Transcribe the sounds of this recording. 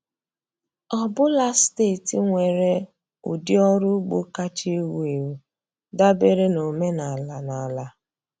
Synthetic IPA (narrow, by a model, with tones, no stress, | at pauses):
ɔ˦bʊ˦la˦ste˦˨ti˨ŋʷe˨ɾe˦ | u˨dɪ˦ɔ˦ɾʊ˦ɡ͡bo̰˦ka˦t͡ʃi˦wu˦e˨wu˨ | da˦be˦ɾe˦no˨me˦na˨la˨na˨la˨